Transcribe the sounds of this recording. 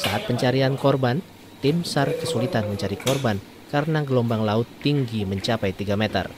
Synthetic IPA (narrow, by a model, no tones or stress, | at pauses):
saɦat̪̚pəɲt͡ʃaɾiankɔrban | t̪ɪmsarkəsulit̪anməɲt͡ʃaɾikɔrban | kaɾənaɡəlɔmbaŋlaʊt̪ːiŋɡiməɲt͡ʃapajt̪iɡamet̪ə̰r